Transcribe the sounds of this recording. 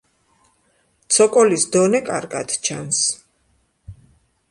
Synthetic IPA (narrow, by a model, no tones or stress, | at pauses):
t̪sʰɔkʼɔlisd̪ɔnɛkʼaɾɡa̰d̪t͡ʃʰans